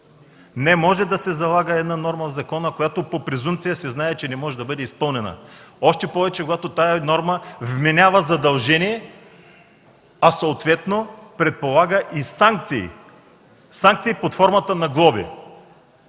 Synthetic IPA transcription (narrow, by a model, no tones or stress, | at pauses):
nɛmɔʒɛd̪ɐsɛzɐlˠaɡəɛd̪nanɔɾməvzɐkɔnəkojat̪opopɾɛzumt̪sijəsɛznaɛt͡ʃɛnɛmɔʒɛd̪ɐbɤd̪ɛispɤlˠnɛnə̰ɔʃt̪ɛpɔvɛt͡ʃɛkoɡat̪ot̪ajɐnɔɾməvmɛnʲavəzɐd̪ɐlˠʒɛniɛ | ɐsooːt̪vɛt̪nopɾɛt̪̚polˠaɡəʔisaŋk̚t̪siḭ | saŋk̚t̪siipot̪fɔɾmɐt̪ənɐɡlˠɔbḭ